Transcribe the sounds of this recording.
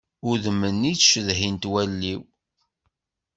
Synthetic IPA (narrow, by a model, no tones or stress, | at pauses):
ʊðəmːənːit͡sʃəðɦint̪wælːiw